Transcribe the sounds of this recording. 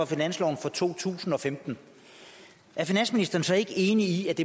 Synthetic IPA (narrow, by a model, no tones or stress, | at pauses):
ɒ̽finæn̰slɒ̰ʊn̩fɒ̽t͡sʰo̝̰ːt͡sʰṵːsn̩ɒ̽femd̥n̩ | ʔæɐfinæn̰sminisd̥ɐːn̩sɒ̽e̝ɡ̥əe̝ːniiæd̥e̝